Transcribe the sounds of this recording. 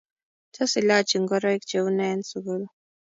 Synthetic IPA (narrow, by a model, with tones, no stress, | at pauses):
tʰɔ˦si˨la˦t͡ʃi˨ŋɡɔ˦ɾɔ˦i˦k̚d͡ʒe˨u˦nɛ˦nsu˨ɡu˦l